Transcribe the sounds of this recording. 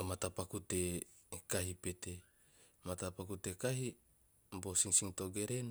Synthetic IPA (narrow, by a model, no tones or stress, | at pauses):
omat̪apakut̪e | kaɦipet̪e | mat̪apakut̪ekaɦi | bosiŋsiŋt̪oɡeɾen